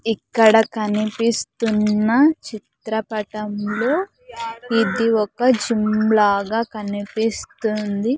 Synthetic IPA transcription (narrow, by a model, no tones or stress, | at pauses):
ikːɐɽɐkɐnipist̪unːɐt͡ʃit̪ɾɐpɐʈɐmlo̞ː | id̪iɔkɐd͡ʒimlaːɡaːkɐnipist̪und̪i